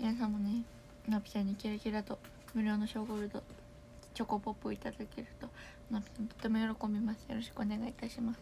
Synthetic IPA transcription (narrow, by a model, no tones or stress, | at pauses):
minas̬ãmːo̞ne | nopʲi̥sãɲ̟ːikʲiɾakʲiɾat̪o | mɯ̟ɾʲo̞ːno̞ɕo̞ːɡoɾɯ̟d̪o̰ | t͡ɕo̞kopopːɯo̰it̪ad̪akeɾɯ̟t̪o̞ | nopʲi̥sãnt̪ot̪ːe̞mo̞jo̞ɾo̞ko̞mbʲimasɨjo̞̰ɾo̞ɕi̥kɯo̞ne̞ɡait̪aɕimasɨ̥